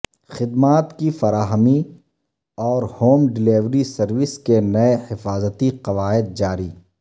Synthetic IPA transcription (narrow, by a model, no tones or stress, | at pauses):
xɪd̪maːt̪kifɐɾaːɦəmi | ɔːɾhoːmɖɪleːʋɾisɐɾʋɪskenɐehɪfaːzət̪iqɐʋaːɪd̪̚d͡ʒaːɾiː